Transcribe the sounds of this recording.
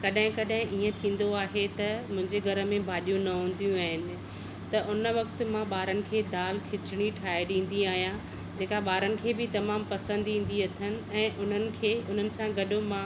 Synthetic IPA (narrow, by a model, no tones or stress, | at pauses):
kɐɗɦɪ̃kɐɗɦɪ̃ʔiːə̃t̪ʰĩːn̆d̪oaːɦet̪ɐmʊ̃ɦɪ̃ɲd͡ʑeɡʱɐɾə̆mẽbʱaːɗjũnɐɦũːn̆d̪ijũaːɦɪnɪ̆ | t̪ɐʔʊnəʋɐk̚t̪̆mãɓaːɾənɪ̆kʰeːd̪aːlkʰɪt͡ɕɪɽ̃iʈʰaːeɗĩːn̆d̪iaːɦijã | d͡ʑeːkaɓaːɾənɪ̆kʰeːbɪt̪ɐmaːmpɐsə̃nd̪ĩːn̆d̪iɐt̪ʰənɪ̆ɛ̃ːʔʊn̤ənɪ̆kʰeːʊn̤ənɪ̆sãɡɐɗomã